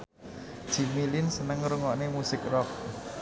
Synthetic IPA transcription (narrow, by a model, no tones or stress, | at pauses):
d̥ʒ̥i̤milɪnsənəŋɾuŋɔʔnemusɪk̚rɔk̚